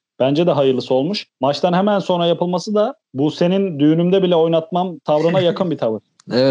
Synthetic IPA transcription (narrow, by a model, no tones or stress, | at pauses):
b̥ænd͡ʒɛd̪ɛɦajɯɾlˠɯsɯo̞lˠmuʃmat͡ʃt̪ʰanɦemænso̞nɾajapʰɯlˠmasɯd̪a | buse̞nind̪yjynymd̪ɛbilʲɛo̞jnat̪̚mamt̪ʰavɾunajakʰɯnbit̪ʰavɯɾ̥ | eɛ